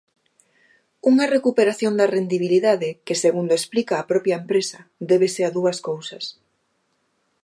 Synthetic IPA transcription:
uŋɐrekupeɾaθjond̪ɐrend̪iβiliðaðɪkeseɣund̪oesplikaːpɾɔpjɐempɾesɐd̪eβ̞eseaðuɐskowsɐs

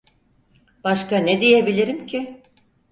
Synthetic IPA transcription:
b̥aʃkaned̪ijebilʲiɾimcʰɪ

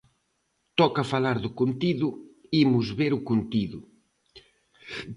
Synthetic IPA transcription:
t̪ɔkafalaɾðʊkont̪iðʊimʊzβeɾʊkunt̪iðʊ

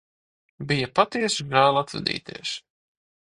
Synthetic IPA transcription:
bijapat̪iɛsɡaːlˠat̪vɛ̰d̪ḭːt̪ḭɛs

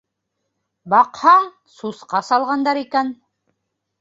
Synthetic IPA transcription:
bɑqhɑɴ | susqɑsɑlˠʁɑnd̪ɑɾikæn

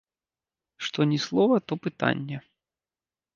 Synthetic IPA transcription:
ʂt̪ɔnʲɛslˠɔvɐt̪ɔpɨt̪a̰nʲːɛ

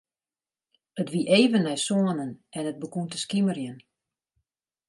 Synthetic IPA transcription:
ətʋiʔeːvənːɛjsoənənʔɛnət̚bəkuntəskimərjən

